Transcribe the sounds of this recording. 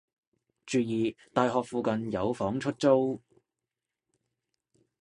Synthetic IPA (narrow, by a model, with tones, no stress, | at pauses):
t͡ʃyː˨˧jiː˨˧t̪aː˨jɦɔː˨k̚fuː˨˧kɐ˨njɐ˨˧wfɔː˨˥ŋt͡ʃʰɵ˥t̚t͡so˥w